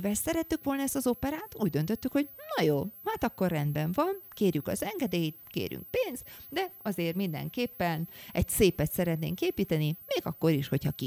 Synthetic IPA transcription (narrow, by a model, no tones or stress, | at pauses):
vɛlsɛɾɛt̪ːykʋo̞lnɛst̪ɒzo̞pɛɾaːt̪uːɟ̚d̪ø̞nt̪ø̞t̪ːykho̞ɟnɒjoːhaːt̪ɒkːo̞rrɛnd̪bɛɱvɒnkeːrjykɒ̰zɛŋɡɛd̪eːjit̪̚kḛːɾjy̰ŋk̚peːnz̥t̪d̪ɛɒzeːrmind̪ɛ̰ŋkeːpːɛnɛɟseːpɛt̪sɛɾɛt̪nḛːŋkeːpiːt̪ɛnimeːɡɒkːo̞ɾiʃho̞chɒki